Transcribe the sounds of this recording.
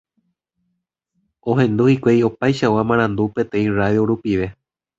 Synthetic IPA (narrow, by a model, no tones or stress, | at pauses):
õ̞ɦẽ̞nd̪uhikʷejo̞pajʃawamãɾ̃ãnd̪upe̞t̪ẽ̞ĩraðjoɾupiʋe̞